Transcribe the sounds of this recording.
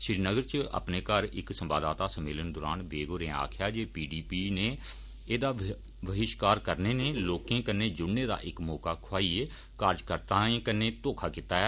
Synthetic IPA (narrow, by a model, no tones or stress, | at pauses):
ʃɾiːnəɡəɾt͡ʃə̰pneːkəɾɪ̰ksəmbaːd̪aːt̪aːsəmeːlənd̪ʊːɾa̰ːnʋeːɡoːɾẽːa̰ːkʰɪjaːd͡ʒeːpiːɖiːpiːneː | eːd̪aː | ʋəɦɪʃkaːɾkəɾneːneːloːkẽːkənːeːd͡ʒʊɽneːd̪a̰ːʔɪkmɔːkaːkʰʊaːieː | kaːɾd͡ʒkəɾt̪aːẽːkənːeːt̪oːkʰaːkɪt̪aːɛː